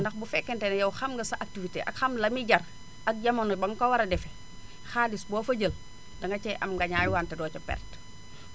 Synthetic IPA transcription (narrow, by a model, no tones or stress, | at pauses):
ndɐxbufɛkːɛntɛnɐjɐwxɐmɡɐsɐʔak̚tivitḛʔɐ̰kxɐmlɐmiɟɐr | ɐk̚ɟɐmonɔbɐŋkɐwɐɾɐdɛfɛ | xaːlisbɔːfɐɟəl | dɐŋɡɐt͡ʃɛʔɐmɡɐɲaːjwaːntɛdɔːt͡ʃɔpɛ̰rt